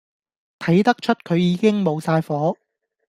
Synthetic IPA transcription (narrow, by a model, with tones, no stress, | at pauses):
t̪ʰɐ˨˥jt̪ɐ˥k̚t͡ʃʰɵ˥t̚kʰɵ˨˧ɥjiː˨˧kɪ˥ŋmo˨˧wsaː˧jfɔː˨˥